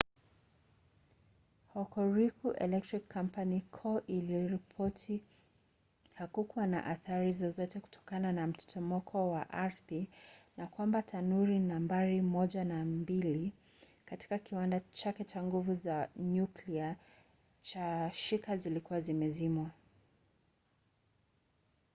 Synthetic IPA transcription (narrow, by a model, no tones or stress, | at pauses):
hɔkɔɹikuʔɛ̰lɛk̚tɹikʰːam̩panikʰɔʔiliɾipʰɔtʰi | hakukuwana̰ʔaθaɾizɔzɔtɛku̥tʰɔ̥kananam̩tɛ̥tʰɔmɔkʰɔwaʔaɾθinakwambatʰanuɾinambaɾimɔʄanambili | kati̥kakiwandat͡ʃakɛt͡ʃaŋɡuvuzaɲuklia | t͡ʃaʃikazilikuwazimɛzimwa